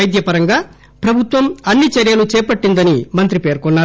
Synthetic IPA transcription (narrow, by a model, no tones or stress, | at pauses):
ɐjd̪jɐpɐɾɐŋɡaː | pɾɐbʱut̪ʋɐmɐnːit͡ʃɐɾjɐlut͡ʃɛːpɐʈːind̪ɐnimɐnt̪ɾipe̞ːɾkɔnːaː